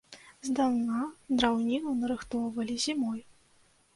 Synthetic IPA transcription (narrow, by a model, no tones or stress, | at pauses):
zd̪awnad̪ɾawnʲinɐwnɐɾɨxt̪ɔwvɐlʲizʲimɔj